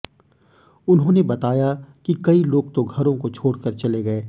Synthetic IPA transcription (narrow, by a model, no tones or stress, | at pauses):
ʊnɦõːnebɐt̪aːjakikɐiloːɡ̚t̪oɡʱɐɾõkot͡ʃʰoːɽkɐɾt͡ʃɐleɡɐeː